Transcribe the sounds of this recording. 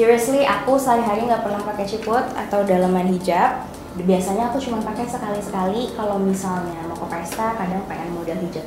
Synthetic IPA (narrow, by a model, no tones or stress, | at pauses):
siɾsliʔakusaɾiɦaɾiŋɡaʔpərnaŋpakɛt͡ʃikʊt̪̚a̰t̪awdalamanɦid͡ʒap̚ | biasaɲaːkut͡ʃumanpakɛsəkalisəkalikalawmisalɲamakəpɛst̪akadaŋpəŋanmodalɦid͡ʒap̚